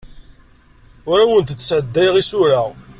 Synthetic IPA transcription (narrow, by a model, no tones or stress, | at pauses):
ʊɾawənt̪t͡sːsʕəd̪ːæjʁisʊɾa